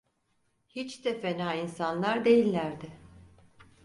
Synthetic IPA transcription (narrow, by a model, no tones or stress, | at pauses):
hit͡ʃd̪ɛfenaːinsanlˠaɾd̪e̞jilʲːæɾd̪ɪ